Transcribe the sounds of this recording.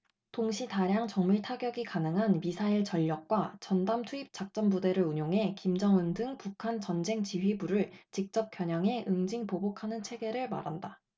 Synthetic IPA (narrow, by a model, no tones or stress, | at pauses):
toŋɕʰitaɾjaŋt͡ɕʌŋmiɭtʰaɡjʌɡikanɯŋɦanmisʰaiɭt͡ɕʌʎːʌk̚k͈wat͡ɕʌndamtʰuip̚t͡ɕ͈ak̚t͡ɕ͈ʌnbude̞ɾɯɭuɲoŋɦe̞kimd͡ʑʌŋɯndɯŋpukʰant͡ɕʌnd͡ʑe̞ŋt͡ɕiɦɥibuɾɯɭt͡ɕik̚t͡ɕ͈ʌp̚k͈jʌɲaŋɦe̞ʔɯŋd͡ʑiŋpobokʰanɯnt͡ɕʰe̞ɡe̞ɾɯɭma̰ɾanda